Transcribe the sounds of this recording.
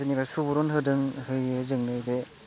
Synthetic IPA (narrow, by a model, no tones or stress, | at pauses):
ɯnibasubuɾɔnɦɯdɯŋhɯjɯzɯŋnɯjbe